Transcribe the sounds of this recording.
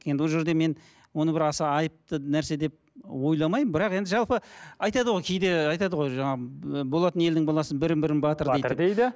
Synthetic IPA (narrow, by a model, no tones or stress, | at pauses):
je̞nd̪ɪwoʒe̞ɾd̪e̞me̞n | wo̞nəbɪɾɑsɑɑjəp̚t̪ənæɾse̞d̪e̞p̚wo̞jlˠɑmɑjməmbɪɾɑqe̞nd̪ɪʒɑlˠpəɑjt̪ɑd̪əʁojkʲʰejd̪e̞ɑjt̪ɑd̪əʁojʒɑɴɑbo̞lˠɑt̪əne̞ld̪ɪŋbɑlˠɑsənbɪɾɪmbɪɾɪnbɑt̪əɾdejd̪d̪ejd̪ɪ